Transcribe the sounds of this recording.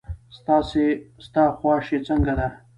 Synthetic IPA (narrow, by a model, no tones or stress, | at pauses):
st̪ɑsest̪ɑxwɑʃet͡səŋɡad̪a